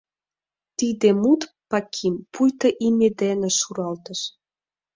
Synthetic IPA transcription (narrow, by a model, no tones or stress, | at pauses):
t̪id̪emut̪ | pɑkʰimpujt̪ɤ̆ʔimed̪enĕʃuɾɑlt̪ə̆ʃ